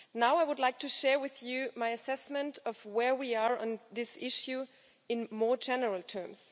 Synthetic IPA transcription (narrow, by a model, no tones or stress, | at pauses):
naʊaɪwʊdlaɪk̚tʰɨʃɛɹwɪðjʉmaɪɨsɛsmɨ̃ntʌvwɛ˞wiə˞ə̰̃nðɪsɪʃjʉ | ɨ̃nmɔɹd͡ʒɛnə˞əl̩ˠtʰɜ̃˞ms